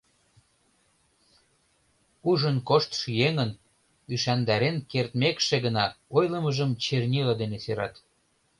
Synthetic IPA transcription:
uʒənkoʃt̪ʃjeŋən | yʃænd̪ɑɾenkert̪mekʃeɣənɑojləməʒəmt͡ɕernʲilɑd̪eneseɾɑ̰t̪

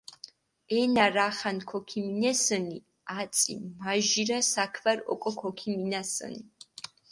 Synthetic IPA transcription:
ɛnaɾaχankʰɔkʰiminɛsəni | at̪sʼḭmaʒiɾasakʰvaɾɔ̰kʼɔkʰɔkʰiminasə̰ni

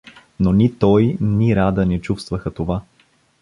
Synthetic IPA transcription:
nonit̪ɔjniɾad̪ənɛt͡ʃufst̪vəxət̪ova

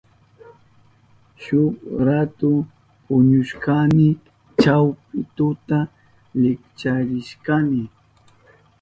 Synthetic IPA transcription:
ʃʊkɾat̪ʊ | pʊɲʊʃkamɪ | t͡ʃawp̚ɪt̪ʊt̪a | lɪkt͡ʃaɾɪʃkamɪ

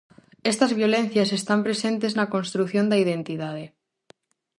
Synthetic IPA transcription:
est̪ɐzβjolẽnθjasest̪ampɾesent̪eznɐkonst̪ɾuθjond̪aiðent̪iðaðe

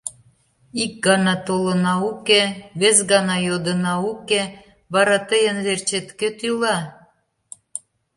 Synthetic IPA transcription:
ik̚ɡɑnɑt̪olənɑukeβezɡɑnɑjod̪ənɑuke | βɑɾɑt̪əjənβert͡ɕet̪ket̪ylɑ

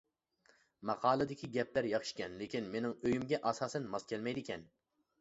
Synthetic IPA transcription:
mɑqʰɑːlˠɨd̪ɪkʲʰiɡʲɛpʰlæɾjɑχɨ̥ʃkʲɛnlekʲʰinmenɪŋøjymɡʲɛʔɑsɑːsɛnmɑskʲʰɛlmɛjd̪ɪkʲʰɛn

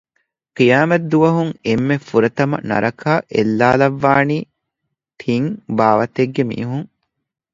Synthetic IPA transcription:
qijaːmɐt̪d̪uʋɐɦuŋemːefuɾɐt̪ɐmɐ̰nɐ̰ɾʔɐkʰaːʔelːaːlɐʋːaːniː | t̪ʰiŋbaːʋɐt̪eɡːemḭːɦuŋ

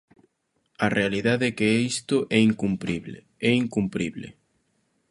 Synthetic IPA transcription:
ɐrealiðaðɛkeɛist̪ʊʔɛiŋkumpɾḭβle | ɛiŋkumpɾiβlḛ

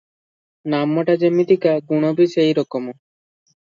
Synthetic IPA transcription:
namɔʈad͡ʒemid̪ikaɡuɽ̃obisejɾɔkɔmɔ

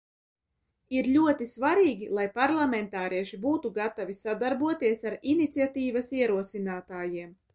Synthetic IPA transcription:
iɾʎʲuɔt̪isvaɾiːɡʲilˠajpaɾlˠamɛnt̪aːɾʔiɛʃibuːt̪uɡat̪avisad̪aɾbuɔt̪iɛsaɾinit̪siat̪iːvasiɛɾuɔsinaːt̪aːjiɛm

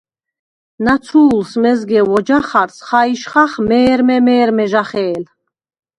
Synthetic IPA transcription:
nat͡sʰuːlsmɛzɡɛvɔd͡ʒaχaɾsχaiʃχaχmɛːɾmɛmɛːɾmɛʒaχɛːl

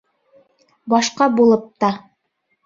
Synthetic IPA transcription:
bɑʃqɑbulˠɤp̚t̪ɑ

